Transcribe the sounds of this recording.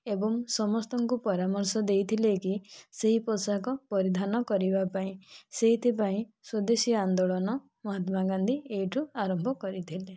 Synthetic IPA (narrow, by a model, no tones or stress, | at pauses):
ebɔŋsɔmɔst̪ɔŋkupɔɾamɔɾsɔd̪ejt̪ʰilekiseɦipɔsakɔpɔɾid̪ʱanɔkɔɾibapaĩseɦit̪ʰipaĩsud̪esiand̪ɔɭɔnɔ | mɔɦat̪maɡand̪ʱieiʈʰuaɾɔmbʱɔkɔɾit̪ʰile